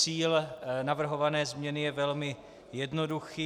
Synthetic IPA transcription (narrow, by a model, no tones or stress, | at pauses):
iːlnavr̩ɦo̞vanɛːzmɲɛnɪjɛvɛlmɪ | jɛdnoduxiː